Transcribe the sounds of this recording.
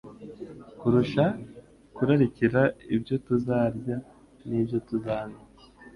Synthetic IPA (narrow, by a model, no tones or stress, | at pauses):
kuɾuʃa | kuɾaɾiciɾaibjo̞tuzaːɾɟa | nibjo̞tuzaːna